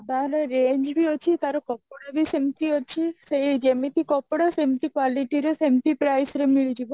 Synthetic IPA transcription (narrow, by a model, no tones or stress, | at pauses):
d̪aɾeɾeɲd͡ʒbiot͡ʃʰit̪aɾokɔpɽabisemt̪iɦot͡ʃʰised͡ʒemet̪ʰikɔpːɽasemt̪ikʋaliʈiɾesemt̪ipɾajsɾemiɭid͡ʒibo